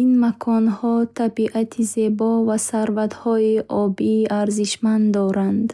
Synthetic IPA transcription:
inmakʰɔnhɔt̪ʰabiʔat̪ʰize̞bɔvasaɾvat̪hɔiʔɔbiʔaɾziʃmand̪d̪ɔɾand̪

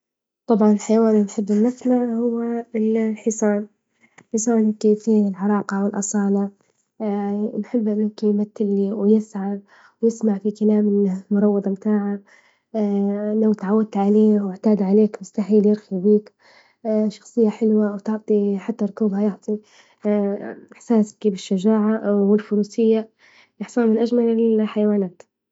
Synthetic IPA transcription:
t̪ˤɑbʕɑnɪlħajwaːninħɪbːɪnːɪsnaʕhʊwːalħɪsˤɑːn | ħɪsˤɑːnkefiːɪlʕɑɾˤɑːqɑwɪlʔɑsˤɑːlɑ | nħɪbːʔɪmːʊmkɪnjmat̪ːɪlːiwjɪsʕam | wjɪsmaʕfikalaːmɪnmʊɾˤɑwːɑd̪ˤmt̪aːʕa | lawt̪aʕawːad̪̚t̪ʕaleːwɪʕt̪aːd̪ʕaleːkmʊst̪aħiːljɪɾxibiːk | ʃɑ̥xsˤɨjːaħɪlwawt̪ɪʕt̪ˤiħat̪ːaɾˤʊkuːbhajʊʕt̪ˤi | ɪħsaːskiːbɪʃːaʒaːʕawɪlfʊɾuːsɪjːa | ʔɪħsˤɑnmɪnʔad͡ʒmalɪlħajawaːnaːt̪

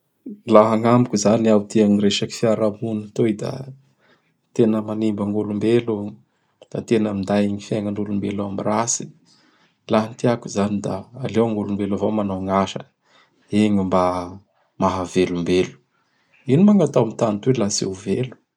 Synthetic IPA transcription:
laɦaŋamikʲuzaniawt̪iaŋireʃaki̥fiaɾamunt̪oid̪a̰ | t̪enəmanimbaŋɡulumbelu | d̪̥at̪enəmind̪ajiɲifjaŋanulumbelamirasi̥ | laɦnt̪iakuzanid̪aːlewaŋɡulumbelavomanaŋaʃə̰ | eɲimba | maɦavelumbelu̥ | inimaŋat̪awamit̪anit̪welasḛwvelu̥

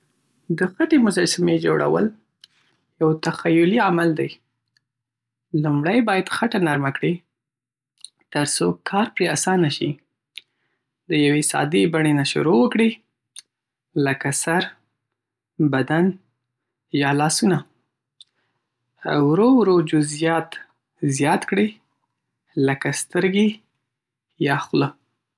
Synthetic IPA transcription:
d̪əxaʈemʊzɑsɪmed͡ʒo̰ɽa̰wə̰l | jawt̪axajʊliamald̪aj | lumɽajbɑjad̪xaʈanaɾmakɽi | t̪əɾsokʰɑɾpɾeasɑnaʃi | d̪əjawesɑ̰d̪ibaɳenaʃʊ̰ɾowəkɽi | ləkasaɾ | bad̪an | jɑlɑsuna | a̰wɾowɾod͡ʒʊzijɑt̪ | zjɑt̪kɽi | ləkast̪əɾɡe | jɑxlə

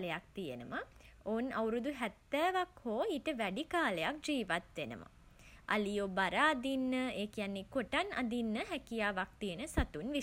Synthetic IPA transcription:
ləjak̚t̪ijənəmaoːnawɾud̪uɦæt̪ːæːʋakhoːiʈəʋæɖikaːləjak̚d͡ʒiːʋat̪ʋenə̰ma̰ | ʔa̰lijoːbaɾaːd̪inːəeːkijanːekoʈana̰d̪inːəɦɛkijaːʋak̚t̪ijənəsat̪unʋi

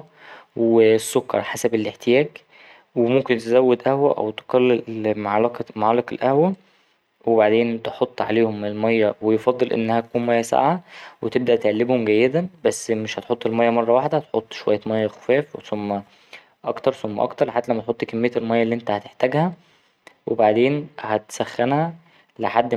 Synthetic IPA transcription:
wesːokːɑ̰ɾˤħasæbelʔeħt̪ejæːɡ | wemomkent̪ezæwːed̪ʔæhwæʔæ̰wt̪e̥qɑlːemʕlɑqmaʕalɑkelʔæhwæ | webaʕd̪eːnt̪eħot̪ˤːʕa̰leːhomelmɑjːæwejefɑd̪ˤːelʔḛnːæhæt̪ækuːnmæjːæsa̰ʕawet̪eb̚d̪æʔt̪eʕalːebhomɡæjːed̪æbæsːmeʃhæt̪ħot̪ˤːelmɑjːæmɑrˤːɑwaħd̪ææt̪ħot̪ˤːʃowæjːæmɑjːæxo̥fæːfwesomːæ | ʔɑkt̪ɑɾˤsomːæ̰ʔɑ̰kt̪ɑɾˤħat̪ːælæmːæt̪ħot̪ˤːkæmːejːæelmɑjːælːiːʔent̪æhæt̪eħt̪æɡhæ | wʔebaʕd̪eːnhæt̪sæxːænhæ | leħad̪ː

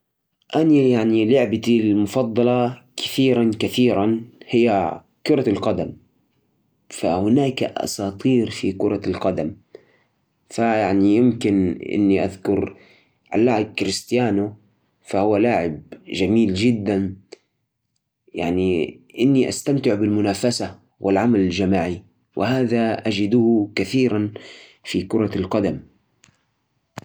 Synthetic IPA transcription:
ʔanajaʕnilʊʕbat̪ilmʊfɑd̪ˤːɑlɑkḁθiːɾankaθiːɾanhɪjːa | kʊɾˤɑlqɑd̪am | fa̰hʊnaːkaʔɑ̰sɑːt̪ˤiːɾfikʊɾˤɑlqɑd̪am | fajaʕnijɪmkɪnʔɪ̰nːiʔa̰ðkʊɾ | ʕa̰lːaːʕɪb̚kɾɪst̪ɪjaːnʊ | fahʊwːalaːʕɪbʒamiːld͡ʒɪd̪ːan | ja̰ʕniʔɪnːiʔa̰st̪amt̪ɪʕbɪlmʊnaːfasa | wʔɪlʕamalɪld͡ʒamaːʕi | wʔɪhaːðaʔad͡ʒɪd̪ʊhkaθiːɾanfikʊɾˤɑlqɑd̪am

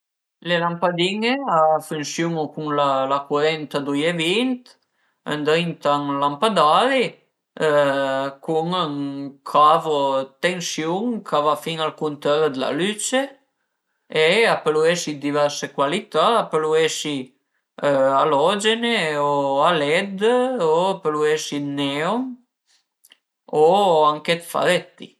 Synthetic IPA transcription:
lelampad̪iŋeafynsjuŋukuŋlalakwaɾɛnt̪ad̪ujevint̪ | ə̰nd̪ɾint̪aŋlampad̪aɾi | kuŋəŋkʰavot̪ensjuŋkʰavafiŋalkunt̪ɛɾd̪əla̰lyt͡ʃe | eapəlueʃid̪ivɛɾsekwalit̪aːpəlueʃi | alɔd͡ʒeneoalɛd̪oapəluesinɛom | oaŋket̪fa̰ɾɛt̪ːḭ

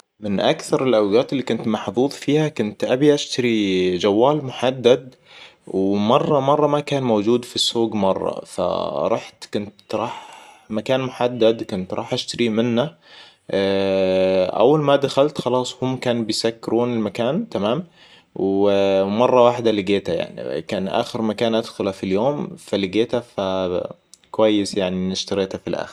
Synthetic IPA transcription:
mɪnʔakθɑɾˤɪlʔawɡaːt̪ɪlːiːkʊnt̪maħðˤuːðˤfiːhakʊnt̪ʔabiʔaʃt̪aɾid͡ʒawːaːlmʊħad̪ːad̪ | wmɑrˤːɑmɑrˤːɑmakaːnmowd͡ʒuːd̪fisːoːɡmɑrˤːɑ̰fa̰ɾˤɑːħt̪kʊnt̪ɾˤɑːħ | makaːnmʊħad̪ːad̪kʊnt̪ɾˤɑ̰ːħʔaʃt̪aɾimɪnːa | ʔa̰wːalmad̪axalt̪xɑlɑːsˤhʊmːkaːnbɪjsakːɪɾʔuːnɪlmakaːnt̪amaːm | wmɑrˤːɑwaːħd̪alɪɡeːt̪aja̰ʕnḭkaːnʔa̰ːxɪɾmakaːnʔad̪xʊlafiljoːmfalɪɡeːt̪afa | kʊwajːɪsjaʕninɪʃt̪aɾiːt̪afilʔa̰ːxɪɾ

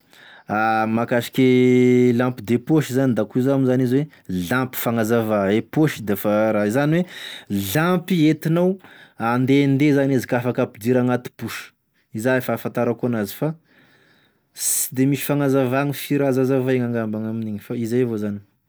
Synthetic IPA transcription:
amakaʃi̥kʲelãmpid̪epoʃizanid̪akuzamizanizwe | lãmpi̥faŋazavaepoʃid̪efaɾaizaniweɮampiet̪inawand̪end̪ezanizikafakapid̪iɾaŋat̪i̥puʃə̥ | izaefafãnt̪aɾakoanazi̥fa | si̥d̪emiʃi̥faŋazavaŋifiɾazazavaeŋaŋɡambaŋaminiɲifaizavozani̥

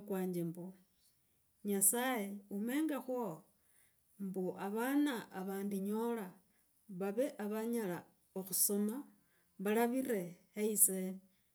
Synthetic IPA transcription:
kwaːɲd͡ʒembo | ɲasajeume̞ːŋɡaxwo | mboʔaβanaʔːβaːndiɲola | βaβe̞ʔaβaɲala | oxusoma | βalaβiɾe̞ | eise

